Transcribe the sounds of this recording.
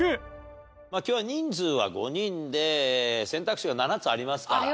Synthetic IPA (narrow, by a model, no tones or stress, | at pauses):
e | maːkʲoːβaɲ̟ĩnd͡zɨːβa̰ɡo̞̰ɲĩnd̪e̞sẽ̞nt̪akɯ̟ɕiɡananat͡sɨaɾʲimasɨ̥ka